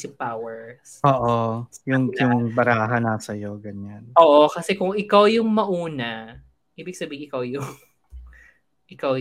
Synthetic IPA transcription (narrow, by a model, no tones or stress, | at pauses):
sɪpawɛɹsoːʔojʊŋjjʊŋbɐɾaːɦanɐsɐjoɡɐɲanʔoːʔokɐsɛkʊŋʔɪkawjʊŋmɐʔuːnɐ | ʔiːbɪɡsɐbiːhɪŋʔɪkawjʊŋ | ʔɪkaw